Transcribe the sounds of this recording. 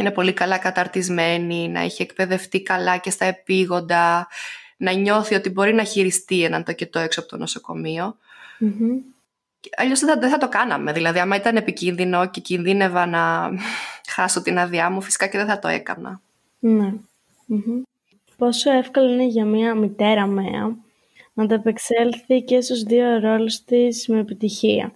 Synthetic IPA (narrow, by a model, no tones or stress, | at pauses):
ine̞po̞likɐlɐkɐt̪ɐɾt̪izme̞ninɐ̰eçiekpe̞ðe̞ft̪ikɐlɐcest̪ɐe̞piɣo̞nd̪ɐ | nɐɲo̞θio̞t̪ibo̞ɾinɐçiɾist̪ienɐnt̪ocet̪o̞e̞ksoɐpot̪o̰noso̞ko̞̰mio̞ | m̩ɦ̩ | ɐ̰ʎost̪eθɐðeθɐt̪o̞kɐnɐ̰meðilɐðiɐmɐit̪ɐne̞picinðino̞ce̞cinðine̞vɐnɐ | xɐsot̪inɐðiɐmufisi̥kɐceðeθɐt̪o̞̰e̞̰kɐ̰nɐ̰ | ne̞ | ɦ̩ | po̞so̞e̞fkɐloineʝɐmiɐmit̪e̞ɾɐmeɐ̰ | nɐt̪ɐepe̞kse̞lθicest̪uzðioɾo̞lust̪izme̞ːpit̪içiɐ̰